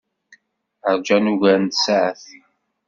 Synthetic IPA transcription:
əɾd͡ʒænuʝæɾənt̪saʕəθi

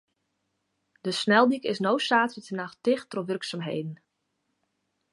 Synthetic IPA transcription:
d̥əsnɛlˠdikɪsnowsaːtətənaxtɪxtrɔʋʏrksamɦḛjdən̩

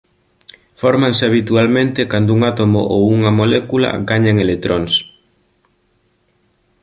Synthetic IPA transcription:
foɾmansɪaβ̞it̪ualmẽnt̪ekand̪ʊuŋat̪omo̰ʔo̰wuŋamolɛkula̰ɡaɲaŋelet̪ɾʔons

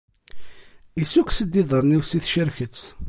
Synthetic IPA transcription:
isuksəd̪ːiðˤəɾˤniwsiθʃəɾçət͡sː

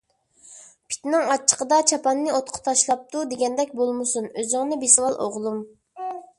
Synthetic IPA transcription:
pʰi̥t̪nɪŋɑt͡ʃʰːə̥qəd̪ɑt͡ʃʰɑpʰɑnːɨot̪̚qʰʊ̥t̪ʰɑʃlˠɑp̚t̪ud̪eɡʲɛnd̪ɛk̚ʲbolˠmɨsunøzɪŋnɪbesɪwɑlˠʔo̰ʁlˠum

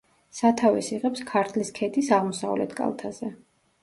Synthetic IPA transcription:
sat̪ʰavɛsiʁɛpskʰaɾt̪ʰliskʰɛt̪ʼisaʁmɔsa̰vlɛ̰t̪ʰkʼa̰lˠt̪ʰazɛ

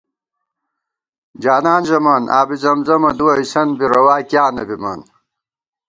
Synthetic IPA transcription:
d͡ʑaːnaːnʑɐmaːnʔa̰ːbizɐmzɐmɐd̪uɐisɐnbiɾɐwaːkjaːnɐbima̰ːn

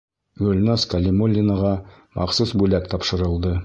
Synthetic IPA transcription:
ɡɵlʲnɑskɐlʲimolʲːinəʁɑmɑqsusbʉlækt̪ɑpʃɤ̆ɾɤ̆lˠd̪ɤ

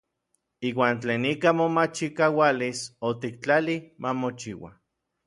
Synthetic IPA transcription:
iːwaːnt͡ɬeːnikamomat͡ʃikawalisot̪ik̚t͡ɬalimʔamot͡ʃiwa̰

